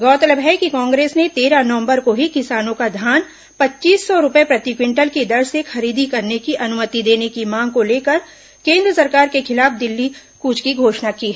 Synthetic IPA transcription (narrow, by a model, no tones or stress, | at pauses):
ɡɔːt̪ələbɦɛkikãːŋɡɾeːsnet̪eːɾanɐʋə̃mbəɾkoɦikɪsaːnõkad̪ʱjaːn | pɐtːt͡ʃiːsːɔɾʊpepɾɐt̪ikwɪ̃ɳʈəlkid̪ɐɾsekxɐɾiːd̪ʱikɐɾnekiʔɐnʊmət̪id̪eːnekimãːŋɡ̚koleːkəɾ | kẽːnd̪ɾəsɐɾkaːɾkexɪlaːfd̪ɪlːi | kuːt͡ʃkiɡʱoːʃnakiːɦɛː